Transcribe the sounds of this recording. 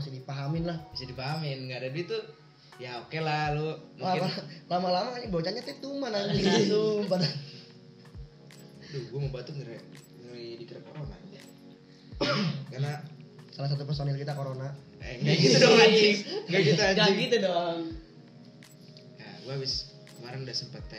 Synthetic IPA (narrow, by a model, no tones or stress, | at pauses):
as̬idipaɦamɪnlahmasidipaɦamɪnɡadaduit̪u | jaokelalonlamalamalamakaɲbawat͡ʃaɲat̪ɛt̪umanailumpada | duɡuaməmbat̪uŋəɾɛ | ŋəidikəɾakoɾona̰ | karnasalas̬at̪upərsonɪlkit̪akoɾona̰ | ŋɡaɡit̪udɔŋat͡ʃɪŋɡaɡit̪aaɡaiɡit̪udɔŋ | ja̰ɡuaːbɪs | kəmaɾənudasəmpat̪̚a